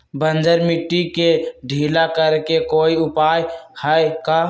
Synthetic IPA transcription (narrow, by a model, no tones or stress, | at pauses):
bənd͡ʒəɾmɪʈːikeɖʱiːlakəɾkekoːiʊpaːjhəeka